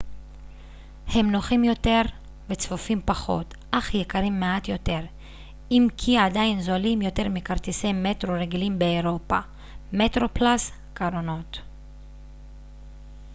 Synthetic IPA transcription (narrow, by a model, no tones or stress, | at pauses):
he̞mnoχimjo̞te̞ʁ | vet͡sfofimpaχo̞̰t | ʔaχjekaʁimːeatjo̞te̞ʁ | imkʰiadajinzolimjo̞te̞ʁmikaʁt̪ise̞jme̞tʁoʁeɡilimbeːʁo̞pa | metʁo̞plas | kaɾono̞t